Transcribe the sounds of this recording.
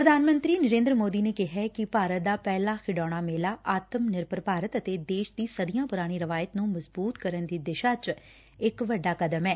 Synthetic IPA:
pɾəd̪aːnmə̃nt̪ɾiːnəɾẽːnd̪ɾəmoːd̪iːneːkɪɦɛːkɪpaːɾət̪̚d̪aːpɛːlaːxʰɪɖaːɽ̃aːmeːlaːʔaːt̪əmnɪɾpəɾpaːɾət̪ət̪eːd̪eːʃd̪iːsəd̪ɪjãːpʊɾaːɽ̃iːɾəʋaːjət̪nũːməzbuːt̪kəɾənd̪iːd̪ɪʃaːt͡ʃ | ɪkʋəɖːaːkəd̪əmɛː

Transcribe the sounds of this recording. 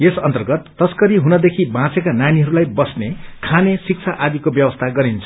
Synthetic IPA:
esʌnt̪ʌrɡʌt̪ːʌskʌɾiɦunʌd̪ekʰibãt͡sekananiɦʌɾulajbʌsnekʰanesik̚t͡sʰaʔad̪ikobjʌbʌst̪ʰaɡʌɾint͡sʰʌ̥

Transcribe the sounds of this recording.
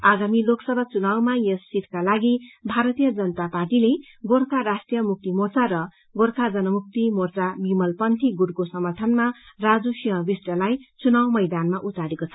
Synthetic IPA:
aɡamiloksʌbʱat͡sunawmajʌsːit̪kalaɡibʱaɾʌt̪ijʌd͡zʌnʌt̪aparʈile | ɡorkʰaɾasʈrijʌmuk̚t̪imort͡saɾʌ | ɡoɾkʰad͡zʌnʌmuk̚t̪imort͡sabimʌlpʌnt̪ʰiɡuɽkosʌmʌrt̪ʰʌnmarad͡zusiɦʌ̃bisʈʌlajt͡sunawmʌjd̪anmaʔut̪aɾekot͡sʰʌ

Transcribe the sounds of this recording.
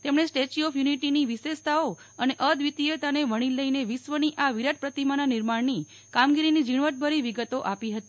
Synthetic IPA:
t̪emɽ̃esʈet͡ʃiɔfjuniʈiniʋiʃest̪ʰao | əneʔəd̪ʋit̪iet̪aneʋəɽ̃iləineʋisʋəniʔaʋiɾaʈ̪̚pɾət̪imananiɾmaɽni | kamɡiɾinid͡ʒiɳ̃ʋəʈ̪̚bʱəɾiʋiɡət̪oʔapiɦət̪i

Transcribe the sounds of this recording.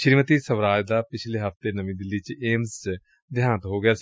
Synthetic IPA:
ʃɪɾiːmət̪iːsəʋɾaːd͡ʒd̪aːpɪt͡ʃʰleːɦəft̪eːnəmĩːd̪ɪlːiːt͡ʃeːms | d̪ɪjãːnət̪ɦoːɡɪjaːs

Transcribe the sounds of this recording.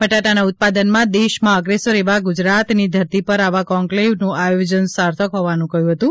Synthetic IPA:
pəʈaʈanaʊt̪̚pad̪ənmãd̪eʃmãəɡɾesəɾeʋaɡʊd͡ʒɾat̪nid̪ʱəɾt̪ipəɾaʋakɔ̃ŋklewnũʔajod͡ʒənsaɾt̪ʰəkɦɔʋanũkəɦjũɦət̪ũ

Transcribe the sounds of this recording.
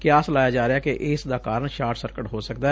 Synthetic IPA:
kjaːslaːjaːd͡ʒaːɾeaːkeʔʔɪːsd̪aːkaːɾəɳʃaːɾʈsəɾkəʈɦoːsəkd̪aː

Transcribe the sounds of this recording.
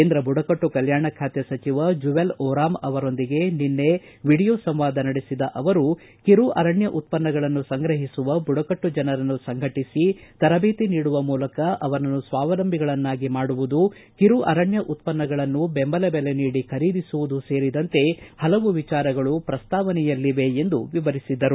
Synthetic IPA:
eːnd̪ɾɐbuɽɐkɐʈːukɐljaːɳɐkʰaːt̪jɐsɐt͡ʃiʋɐd͡ʒuʋelɔːɾaːmɐʋɐɾo̞nd̪iɡe̞ninːe̞ | ʋiɽijoːsɐmʋaːd̪ɐnɐɽisid̪ɐʔɐʋɐɾu | kiɾuʔɐ̰ɾɐɳjɐʔut̪̚pɐnːɐɡɐɭɐnːusɐŋɡɾɐɦisuʋɐbuɽɐkɐʈːud͡ʒɐnɐɾɐnːusɐŋɡʱɐʈisit̪ɐɾɐbeːt̪iniːɽuʋɐmuːlɐkɐʔɐʋɐnɐnːusʋaːʋɐlɐmbʱiɡɐɭɐnːaːɡimaːɽuʋud̪u | kiɾuɐ̰ɾɐɳjɐʔut̪̚pɐnːɐɡɐɭɐnːubembɐlɐbele̞niːɽikʰɐɾiːd̪isuʋud̪use̞ːɾid̪ɐnt̪e̞hɐlɐʋuʋit͡ʃaːɾɐɡɐɭupɾɐst̪aːʋɐnɛjɐlːiʋe̞end̪uʋiʋɐɾisid̪ːɐɾu

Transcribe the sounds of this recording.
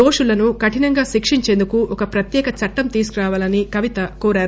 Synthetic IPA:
oːʂulɐnukɐʈinɐŋɡaːʃikʂiɲt͡ʃe̞ːnd̪ukuɔkɐpɾɐt̪jɛːkɐt͡ʃɐʈːɐmt̪iːsukuɾaːʋaːlɐnikɐʋit̪ɐkoːɾaːɾu

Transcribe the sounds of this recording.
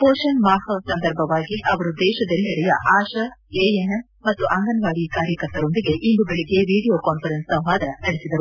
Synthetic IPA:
poːʃɐnmaːhɐsɐnd̪ɐɾbʱɐʋaːɡiʔɐʋɐɾud̪ɛːʃɐd̪ɐliɐɽɛjɐ̰ʔaːʃɐeːeɦem | mɐt̪ːuʔɐŋɡɐnʋaːɽikaːɾjɐkɐɾt̪ɐɾo̞nd̪iɡe̞ʔinb̪ubeɭiɡe̞ʋiːɽijoːkaːnpʰɐɾensɐwɦaːd̪ɐɐnɐɽisid̪ɐɾu

